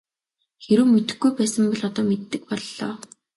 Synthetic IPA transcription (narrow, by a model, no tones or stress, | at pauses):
xeɾŭːmet̪ɘ̆xɡujpæːsə̆mpɔɮɔt̪ɔːmet̪ːɘ̆k̚pɔɮːɔ̰ː